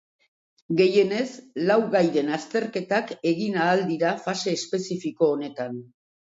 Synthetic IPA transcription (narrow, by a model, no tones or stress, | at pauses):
ɡe̞je̞ne̞slawɣajðe̞nast̪e̞ɾke̞t̪ake̞ɣinaːld̪iɾafase̞ːspe̞sifiko̞ːne̞t̪an